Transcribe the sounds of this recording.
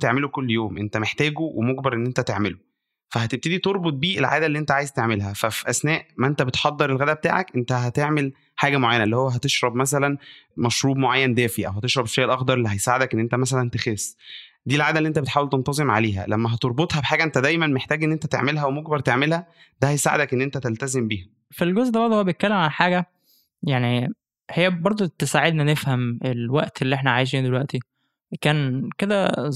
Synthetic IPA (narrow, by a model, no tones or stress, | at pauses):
t̪eʕmelokolːjoːmʔent̪æmeħt̪æːɡuwʔemoɡbɑɾˤʔenːʔent̪æt̪eʕmelo | fæhæt̪eb̚t̪ed̪it̪oɾˤbot̪̚biːʔelʕaːd̪ælːiːʔent̪æʕaːjezt̪eʕmelɦæfæfiʔæsnæːʔmæʔent̪æbet̪ħɑd̪ːeɾˤelɣæd̪æbet̪a̰ːʕækʔent̪æɦæt̪eʕmel | ħaːɡæmoʕajːænæʔelːihowːæɦæt̪eʃɾˤɑbmæs̬ælænmæʃɾuːbmoʕajːænd̪æːfiʔæwhæt̪eʃɾˤɑbeʃːæːʔelʔɑxd̪ɑɾˤʔelːiɦæjsaːʕed̪ækʔenːʔent̪æmæs̬ælænt̪exesː | d̪iːlʕaːd̪æliʔent̪æbet̪ħaːwelt̪ent̪ɑzˤemʕa̰leːɦæ̰læmːæɦɑt̪oɾˤbot̪ˤhæbeħaːɡæʔent̪æd̪æjmænmeħt̪æːɡʔenːʔent̪æt̪ḛʕmelɦæwemoɡ̚bɑɾˤt̪eʕmelhæ | d̪æhæjsaːʕed̪ækʔenːʔent̪æt̪elt̪æzembiːhæ | filɡozʔd̪æbɑɾd̪ˤohoːæbet̪̚kːælːemʕalħaːɡæ | jaʕni | hejːæbɑɾˤd̪ˤot̪esaʕed̪nænefhæmelwæʔt̪elːiːʔeħnæʕajeʃ̬iːnd̪elwæʔt̪i | kæːnked̪æ